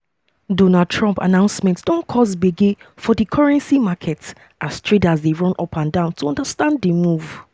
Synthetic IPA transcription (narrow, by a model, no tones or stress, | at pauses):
dɔnad̚tʰɹɔ̃mpa̰nãʊ̃nsmɛ̃ntsd̥ɔ̃nkʰɔzbeɡefɔdikʰɔɹɛ̃nsimakʰɛt | ʔastʰɹedazdeɹɔ̃nɔpʰãndãʊ̃ntʰuɔ̃ndəstãnddemuv